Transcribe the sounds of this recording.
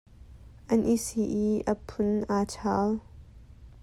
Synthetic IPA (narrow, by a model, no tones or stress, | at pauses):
ʔɐnʔisiʔiʔɐpʰʊnʔaːt͡ʃʰaːl